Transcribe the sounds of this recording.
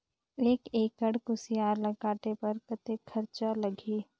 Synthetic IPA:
eːkeːkəɽkʊsijaːɾlɐɡaːʈepɐɾkɐt̪ekʰːɐɾt͡ʃalɐɡiː

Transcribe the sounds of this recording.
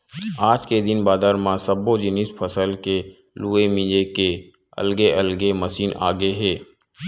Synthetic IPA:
aːd͡ʒked̪ɪnbaːd̪aːɾmãsəbod͡ʒɪnɪspʰəsəlke | luːemɪ̃d͡ʒeke | ɐ̰lɡeʔɐlɡeməsiːna̰ːɡəeɦɛː

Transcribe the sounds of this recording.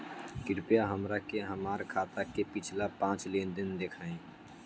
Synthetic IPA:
kɪɾpjaɦəmɾakeɦəmaːɾkʰaːt̪akepɪt͡ʃʰlapãːt͡ʃleːnd̪ɪnd̪eːkʰaːẽː

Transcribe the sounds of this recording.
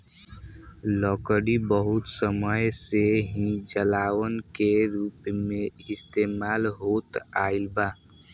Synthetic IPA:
lɔkəɾibəɦut̪səməjseɦĩd͡ʒəlaʋənkeɾupmeist̪emalɦot̪ailba

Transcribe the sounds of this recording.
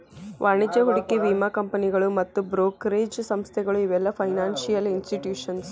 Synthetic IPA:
ʋʔaːɳid͡ʒɐɦuɽikːiʋiːmaːkɐmpɐniɡɐɭumɐt̪ːubɾoːkɾeːd͡ʒsɐmst̪ʰɛɡɐɭuiʋɛlːɐpʰɐjnaːnsijɐlinsʈiʈjuːʂɐns

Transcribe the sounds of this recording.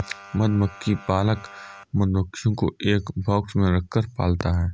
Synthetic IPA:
məd̪məkʰːipaːləkməd̪məkʰːijõko̰ʔeːkbʱɔːksmẽɾɐkʰːəɾpa̰ːlt̪aɦɛː

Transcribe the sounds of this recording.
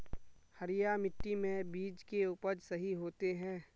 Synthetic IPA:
həɾɪjamɪʈːimẽbiːd͡ʒkeuːpəɾsɐɦiɦoːt̪eɦɛ̃ː

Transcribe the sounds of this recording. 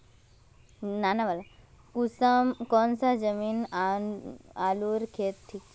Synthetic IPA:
nanabala | kusmkɔnsad͡zəmiːna | aluɾkʰet̪̚ʈʰːiːk

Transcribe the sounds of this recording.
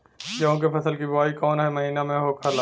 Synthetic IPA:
kõk̬epʰɐsəlkibɐʋaːikɔːnɦɛmɐɦiːnamẽɦoːkʰala

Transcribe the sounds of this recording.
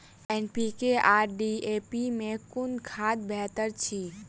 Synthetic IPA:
ɛnpikeʔaɾɖiepimekunkʰad̪bʱɛɦt̪əɾt͡ʃʰi

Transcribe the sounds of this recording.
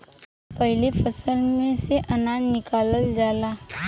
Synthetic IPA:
pəɦilefəsəlmeseʔənadnikaləld͡zala

